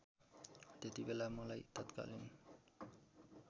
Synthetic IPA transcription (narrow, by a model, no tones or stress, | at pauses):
t̪et̪ibelamɔlajt̪ɔt̪ka̰lin